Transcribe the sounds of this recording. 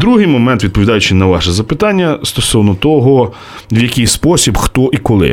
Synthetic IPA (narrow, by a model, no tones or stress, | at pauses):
d̪ɾuɦɪjmɔmɛnt̪ʋʲid̪̚pɔʋʲid̪ɑjʊt͡ʃɪnɐʋɑʃɛzɐpɪt̪ɑnʲːɐst̪ɔsɔwnɔt̪ɔɦɔ | ʋwjɐkʲɪjspɔsʲibxt̪ɔʔikɔlˠɪ̰